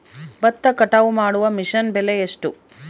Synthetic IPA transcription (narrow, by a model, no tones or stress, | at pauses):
bɐt̪ːɐkɐʈaʋumaːɽuʋɐmiʂɐnbeleeʂʈu